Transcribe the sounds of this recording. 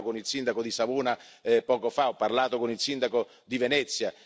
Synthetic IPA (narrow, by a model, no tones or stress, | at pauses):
konilsind̪akod̪isavuːna | pɔːkofaɔpːarlaːt̪okonilsind̪ako | d̪ivenɛt̪sːja